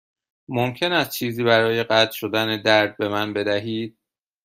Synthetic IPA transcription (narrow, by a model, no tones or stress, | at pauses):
momcʰe̞næst̪̚t͡ʃʰiːziːbæɾɒːje̞ɢæt̪ʰʃo̞d̪æned̪æɾd̪̚be̞mænbe̞d̪æɦiːd̪̥̚